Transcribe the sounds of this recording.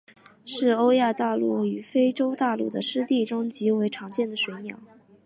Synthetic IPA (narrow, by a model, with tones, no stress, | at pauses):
ʂɻ̩˥˩o˥ʊja˥˧t̪a˥˧lu˥˩y˨˩fe˥ɪʈ͡ʂo˥ʊt̪a˥˧lṵ˥˩d̪ə̰˩ʂɻ̩˥t̪i˥˩ʈ͡ʂo˥ŋt͡ɕi˧˥we˧˥ɪʈ͡ʂʰɑ˧˥ŋt͡ɕjɛ˥˩nd̪ə˩ʂwe˧˥ɪnjɑ̰˨˥˦ʊ